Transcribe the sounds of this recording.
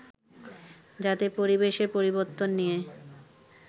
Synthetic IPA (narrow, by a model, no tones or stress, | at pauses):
d͡ʑat̪epoɾibeʃeɾpoɾiboɾt̪ːonːije